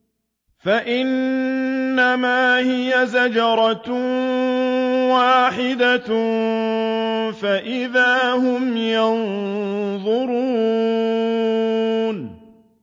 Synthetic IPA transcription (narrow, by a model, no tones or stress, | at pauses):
faʔɪnː | amaːhɪjazad͡ʒɑɾˤɑ | waːħɪd̪a | faʔɪðaːhʊmjɑn | ðˤʊɾuː | n